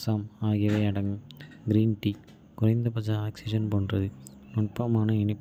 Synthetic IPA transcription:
saːmaːɣɪɐʋɐɪɐɽɐŋɡɯm | ɡɪɾiːnʈiː | kʊrɐɪnd̪ɐpɐd͡ʒɐaːksɪʂɐnpoːndrɐðɯ | nʊɳpːɐmaːnɐɪɳɪpː

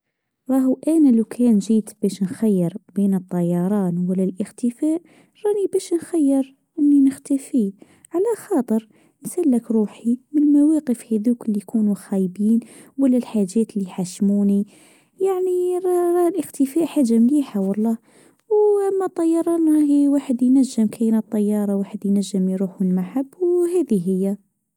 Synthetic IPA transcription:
ɾˤɑɦuʔænælukʰænʒiːt̪bæʃnxæjːəɾbiːnət̪ˤːɑjːɑɾˤɑːnwəlːælʔəxt̪əfæːʔ | ɾˤɑnibæʃnxæjːəɾ | ʔənːinəxt̪æfi | ʕalæxɑːt̪ˤəɾ | nsælːəkɾˤuːħimənmæwæqəfhæðuːkəlːijkuːnuxæjbiːnwælːælħaʒːæt̪əlːiħaʃmuni | jaʕniɾˤɑɾˤɑlʔəxt̪əfæʔħaʒːambiħawɑlˤːɑ | wʔæmːæt̪ˤːɑjːɑɾˤɑʔnɑɦiwaħəd̪jnæʒːəmkʰæjnət̪ˤːɑjːɑɾˤɑwaħəd̪jnæʒːəmjɾuħənmaħabːwɦæd̪iɦəjːæ

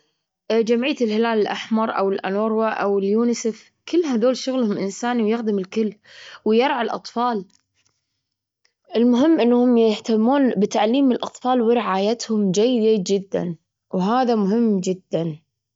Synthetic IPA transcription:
ʔd͡ʒamʕijːaɪlhɪlaːlɪlʔaħmɑɾˤʔa̰wɪlʔa̰noːɾˤwaʔa̰wɪljuːnɪsef | kɪlːɦaðoːlʃʊɣlhʊmʔɪnsaːniwjɪxd̪ɪmɪlkʊlː | wɪjɑɾˤʕalʔɑ̰t̪ˤfɑːl | ʔɪlmʊɦɪmːʔɪnːhʊmjɪht̪amːuːnbɪt̪aʕliːmːnɪlʔɑt̪ˤfɑːlwɪɾɪʕaːjat̪hʊmd͡ʒajːd͡ʒajːɪd̪d͡ʒɪd̪ːa̰n | wɦaːðamʊɦɪmːd͡ʒɪd̪ːan

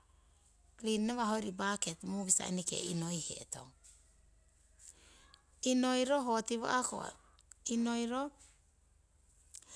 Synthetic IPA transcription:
klinːaβaɦoɾibaketmuβisa̰ḭnikḛinojhḛːto̞̰ŋ | inojɾoɦotiβa̰ʔako̰a̰ | inojɾo

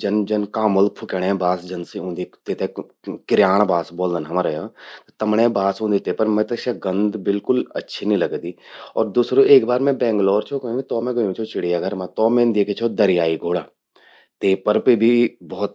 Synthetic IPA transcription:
d͡ʒɐnd͡ʒɐnkaːməlpʰʊkeɽ̃ẽbaːsd͡ʒɐnsiũːnd̪it̪eːt̪ẽ | kɪɾjaːɽ̃baːsboːld̪ənɦɐmɾɐjot̪ot̪ɐmɽẽbaːsũːnd̪it̪eːpəɾmɛ̃t̪ɐʃɐɡə̃nd̪bɪlkʊlɐ̰tːʃʰinĩlɐɡd̪iːɔːɾd̪uːsɾoeːkbaːɾmɛ̃bɛ̃ːŋɡlɔːɾt͡ʃʰokɐũit̪ɔːmɛ̃ɡɐjũt͡ʃʰot͡ʃɪɽ̤ijaɡʱəɾmãt̪ɔːmẽnd̪eːkʰet͡ʃʰod̪ɐɾɪjaːiɡʱoːɽaː | t̪eːpəɾpibʱibɔːt̪̚

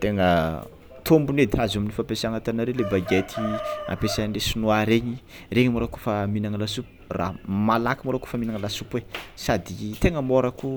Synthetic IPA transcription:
t̪eŋə | t̪ombuned̪iɾazaminifapesaŋat̪anaɾelebaɡet̪ʰia̰pesanesunuaɾeɲi | reɲimoɾakufaminaŋəlasupu̥ra̰malakimoɾakufaminaŋlasupuesad̪it̪eŋəmoɾəku

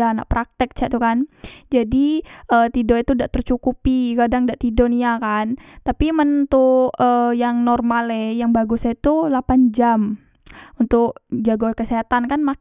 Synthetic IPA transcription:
ana̰ʔpɾʔak̚t̪ɪk̚t͡ʃɛʔt̪ukand͡ʒadiʔəːt̪idoit̪udaʔt̪ərt͡ʃukupikadaŋdaʔt̪idoniakant̪apimənt̪uəjaŋnɔrmalɛjaŋbaɡʊsait̪ulapand͡ʒam | unt̪ʊk̚d͡ʒaɡokəseɦat̪ankanma

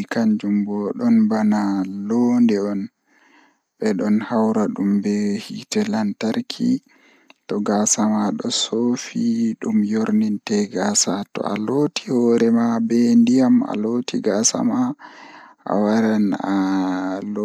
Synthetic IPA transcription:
ikaɲd͡ʒumbɔɗɔnbanalondɛɔn | ɓɛɗɔnhawɾaɗumbɛhitɛlantaɾkʰḭ | tɔɡasamaɗɔsofiɗumjoɾnintɛɡasatɔ̰a̰lotihɔɾɛmabɛndijama̰loːtʰiɡasa̰ma | ʔa̰waɾan | l

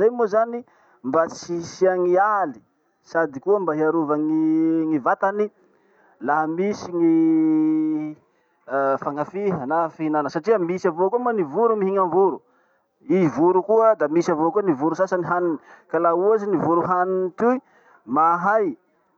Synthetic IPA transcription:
zajmozani | mbat͡sisiaŋiali̥ | sad̪ikuəmbaɦiaɾuvaŋiŋivat̪ani | laɦmisiŋi | faŋafiɦənafiinanəsaʈ͡ʂiəmisavokuəmanivuɾumiɦiŋaɱvuɾu | ivuɾukuəd̪amisavokuənivuɾusasaniɦaninikalauazinivuɾuɦaninit̪ui | maɦaj

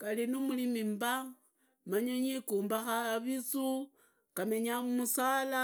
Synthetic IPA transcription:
kalinumulimimba | maɲaɲikuːmbaxaːβit͡su | kameɲamusala

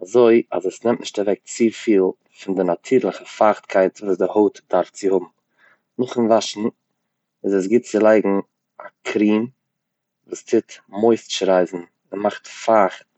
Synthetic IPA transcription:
azoɪa̰zɛsnɛmtnɪʃtavɛk̚t͡sifiːlˠ | fɪndɪnatʰiːɾlˠəχəfaχtkʰaɪtvuːsdɪhoʊtd̥aɾft͡sɪhʊbm̩ | nʊχɪnvaʃn̩ | ɪzɛs̬ɡɪt̚t͡sɪlˠaɪɡŋ̩ | akʰɾiːn | vuːstʰɪtmoɪsʃɾaɪzn̩ | ɪmaχtfaχt̚

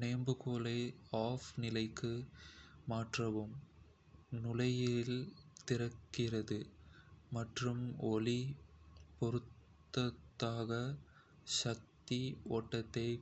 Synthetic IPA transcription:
neːmbɯkoːlɐɪaːfnɪlɐɪkːɯ | maːʈrɐʋɯm | nʊlɐjɪlt̪ɪɾɐkːɪrɐðɯ | mɐʈrɯmɔli | pɔɾɯt̪ː | ɐt̪ːaːɣɐ | ʃɐk̚t̪iɔʈːɐt̪ːɐɪ

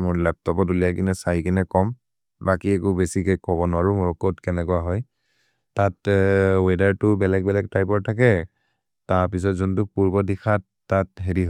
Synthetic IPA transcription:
mʊɹlɛp̚tɔpɔtulijakinɛsajkinɛkɔm | bakiɛkʊbesikejkɔbɔnʊaɹʊmʊɹɔkotkɛnɛkʊaɦɔj | tatwedaɹtʊbɛlɛɡ̚bɛlɛk̚tajpɔɹtʰakɛ | taɹpis̬ɔtzuntʊpuɹbɔdixʰatːat̚ɦeɹiɦ

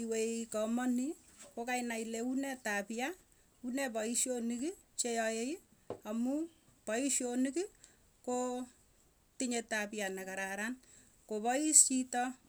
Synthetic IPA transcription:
iwekɔmɔnikokainaileunɛtapja | unɛpɔiʃjoniki | t͡ʃejɔeamupɔiʃjoniki | ko | tiɲetapjanɛkaɾaɾan | kopɔist͡ʃitɔ

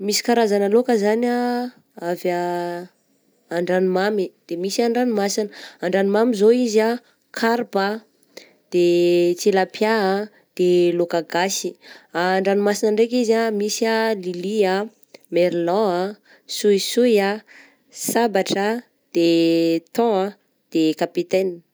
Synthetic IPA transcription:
misi̥kaɾazanalokəzana | avja | ɳɖ͡ʐanimamid̪̥emisaɳɖ͡ʐanimasinəaɳɖ͡ʐanimamizoiza | kʰaɾpə | d̪̥et͡selapjaa | d̪̥elokaɡasi̥aːɳɖ͡ʐanimasinəɳɖ͡ʐek̬izamisalilia | meɾilɔ̃a | sujsuja | sabaʈ͡ʂə | d̪̥et̪ɔ̃a | d̪̥ekapit̪ɛn

